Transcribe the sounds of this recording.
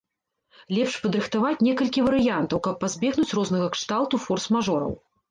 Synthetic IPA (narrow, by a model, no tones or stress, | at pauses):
lʲɛpʂpɐd̪ɾɨxt̪avat͡sʲnʲɛkɐlʲkʲivɐɾɨjant̪ɐwkɐpːazʲbʲɛɣnut͡sʲrɔznɐɣɐkʂt̪alˠt̪ufɔrsmaʐɔɾɐ̰w